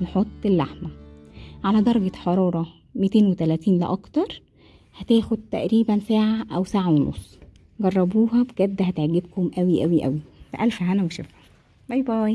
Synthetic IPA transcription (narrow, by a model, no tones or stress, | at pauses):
nħot̪ˤːelːaħmæʕalæd̪ˤɑɾˤɑɡeħɑɾˤɑːɾˤɑ | mit̪eːnwet̪ælæːt̪iːnlḛʔɑkt̪ɑɾˤ | hæt̪æːxod̪̚t̪æ̰ʔɾiːbænsaːʕaʔæwsaːʕaweno̰sˤː | ɡɑrˤːɑbuːɦɑbɡ̥æd̪ːæhæt̪eʕɡebkomʔæwiʔæwiʔæ̰wifæʔælfæɦænæweʃḛfhom | ɑjbæ